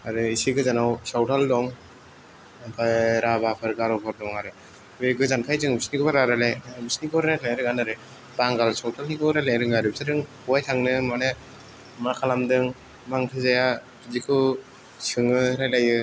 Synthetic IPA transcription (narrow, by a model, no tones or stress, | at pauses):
aɾɯisiɡɯzanawsawtʰaldɔŋ | bʰaɾabapʰɯɾɡaɾɔpʰaɾdɔŋaɾɯ | biɾɡɯzankʰajzɯŋbisnikɔbaɾaɾalebisnikɔɾɾajaljɾɯɡanaɾɯ | baŋɡalsawtʰalnikɔɾaleɾɯŋaɾɯbisaɾɯŋ | uwajtʰaŋnɯmane | makʰalamdɯŋ | maŋtʰɯzajatɯzikʰɯ | sɯŋɯɾajlajɯ